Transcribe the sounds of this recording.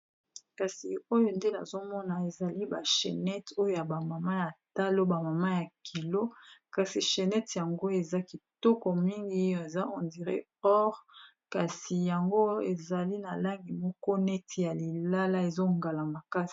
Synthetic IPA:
ka˨si˨o˦jo˦nde˦na̰˨zo˦mɔ˦na˨e˨za˨li˦ba˨ʃḛ˨nɛ˦to˦jo˦ja˨ba˨ma˨ma˦ja˨ta˦lo˦ba˨ma˨ma˦ja˨kʰi˨lo˦ka˨si˨ʃe˨nɛ˦tja˨ŋɡo˦e˨za˦ki˨tɔ˦kɔ˨mi˦ŋɡi˦˨e˨za˦ʔɔ˨ndi˨ʁḛ˦ | ɔ˦ʁ | ka˨si˨ja˨ŋɡo˦e˨za˨li˦na˨la˦ŋɡi˨mɔ˦kɔ˦nɛ˦tʰja˨li˨la˦la˦e˨zo˦ŋɡa˨la˨ma˨ka˦si˨

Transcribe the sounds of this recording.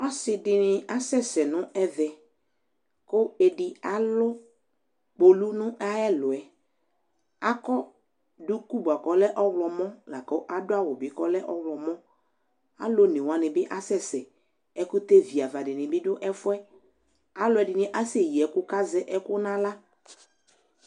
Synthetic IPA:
ɔ˦sɪ˨dɪ˨nɪ˨a˦sɛ˦˨sɛ˨nʊ̃˦ɛ˦vɛ˨ | kʊ˦e˨dɪ˨a˦lʊ˦ | k͡po˨lu˦nʊ̃˦ʔa˦ɛ˦lʊ˨ɛ˨ | a˦kɔ˦ | dʊ˦ku˦bu˨a˨kɔ˨lɛ˦ʔɔ˦wlɔ˨mɔ̃˦la˨ko˦ʔa˦dʊ˦a˦wɔ˨bɪ˨kɔ˦lɛ˦ʔɔ˦wlɔ˨mɔ̃˦ | a̰˦lo˦nɪ̃˨wa˨nɪ̃˨bɪ˦ʔa˦sɛ˦˨sɛ˨ | ɛ˦kʊ˦t̪e˦vi˨a˨va˨dɪ˨nɪ̃˨bɪ˦dʊ˦ʔɛ˦fʊ˦ɛ˦ | a˦lʊ˨˦ɛ˨dɪ˨nɪ̃˨ʔa˦se˨ji˨ɛ˨˦kʊ˦ka˦zɛ˦ʔɛ˦kʊ˦nã˦la˦

